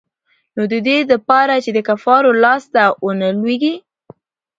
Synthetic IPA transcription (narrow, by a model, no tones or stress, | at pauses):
nod̪əd̪eləpɑɾat͡ʃed̪əkafɑɾolɑst̪awənəlweɡi